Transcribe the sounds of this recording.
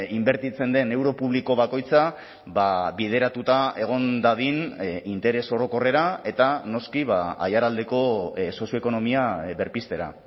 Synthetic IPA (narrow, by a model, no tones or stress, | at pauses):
imbe̞ɾt̪it͡se̞nd̪e̞ne̞wɾo̞puβliko̞βako̞jt͡sa | baβið̞e̞ɾat̪ut̪ae̞ɣ̞o̞nd̪aðinint̪e̞ɾe̞so̞ɾo̞ko̞re̞ɾae̞t̪ano̞skiβaa̰jaɾald̪e̞ko̞so̞sjo̞ekono̞miaβe̞ɾpist̪e̞ɾa̰